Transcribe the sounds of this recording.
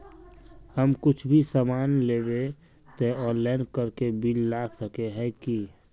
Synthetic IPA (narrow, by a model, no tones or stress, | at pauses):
həmkʊt͡ʃʰbʱisamaːnleːbe | t̪eɔ̃ːnlaɪnkəɾkebilːaːsəkeɦɛ̃ki